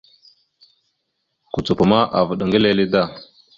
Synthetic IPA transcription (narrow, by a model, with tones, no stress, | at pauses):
ku˨t͡su˨pu˨ma˦ʔa˨və˨ɗŋɡə˦le˦li˦da˦˨